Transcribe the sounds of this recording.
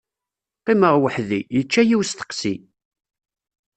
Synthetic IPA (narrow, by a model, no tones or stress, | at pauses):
qiməʁwəħðijət͡ʃːæjiwst̪ə̥qsi